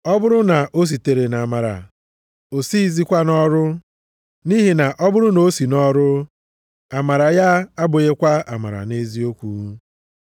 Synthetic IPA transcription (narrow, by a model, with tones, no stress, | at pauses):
ɔ˦bʊ˦ɾʊ˦na˨ʔo˦s̬i˨te˨ɾe˨na˨ma˨ɾa̰˨ | o˨si˦˨zi˦kʷa˦nɔ˦ɾʊ˦ | ni˦ɦi˨na˨ʔɔ˦bʊ˦ɾʊ˦no˦si˨nɔ˦ɾʊ˦ | a˨ma˨ɾa˨ja˦a˦bʊ˨ɣe˦kʷa˦a˨ma̰˨ɾa̰˨ne˦zi˦o˦kʷu˨˦